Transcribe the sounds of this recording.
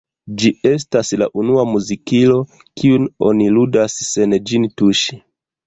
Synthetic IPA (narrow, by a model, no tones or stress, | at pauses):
d͡ʒie̞s̬tasla̰ʔunuamuzikilo̞ | kʰiuno̞̰niludasːe̞nd͡ʒintuʃi̥